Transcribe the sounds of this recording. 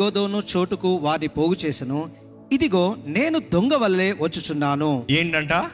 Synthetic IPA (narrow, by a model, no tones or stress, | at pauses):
oːd̪o̞ːnut͡ʃoːʈukuʋaːɾnipoːɡut͡ʃe̞ːsinu | id̪iɡo̞ːne̞ːnud̪oŋɡɐʋɐlɐle̞ːʋɐt͡ʃːut͡ʃunːaːnueːɳɖɐɳʈaː